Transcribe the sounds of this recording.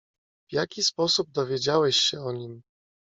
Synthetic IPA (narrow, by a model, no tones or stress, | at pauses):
v̥jakʲispɔsub̚d̪ɔvʲjed͡ʑawɛɕɕɛɔɲim